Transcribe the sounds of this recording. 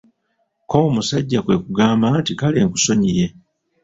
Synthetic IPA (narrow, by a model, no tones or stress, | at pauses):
komusaɟːakwe̞ːkuɡaːmbantikaleːŋkuso̞ɲije̞